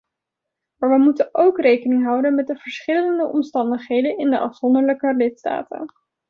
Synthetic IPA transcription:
maːɹʋəmutənowkrejkənɪŋɦʌwdənmɛt̚dəv̥əɹsχɪləəndəʔɔmstɑndəχɦejdənɪndəʔɑfsɔndəɹləkəlɪtsta̰ːtə̰n

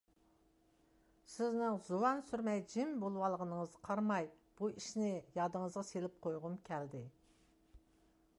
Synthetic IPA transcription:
sɪznɪŋzuwɑnsyɾmɛjd͡ʒɪmbolˠwɑlˠəʁənəɴəzqʰɑɾmɑjb̥uɪʃnɪjɑd̪əɴəzʁɑselɪp̚qʰojʁʊmkʲʰæld̪ɪ

